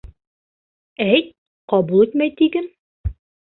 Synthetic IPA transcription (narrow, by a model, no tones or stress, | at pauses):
æjt̪̚ | qɑbulˠit̪mæjt̪iɡɘm